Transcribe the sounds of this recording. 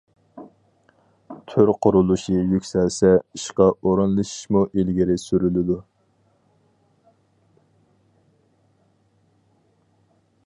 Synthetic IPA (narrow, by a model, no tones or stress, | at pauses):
t̪ʰyɾqʰʊɾulˠuʃijykʲsɛlsɛiʃqɑoɾunlˠɨʃi̥ʃmuʔilɡʲiɾɪsyɾylɪd̪u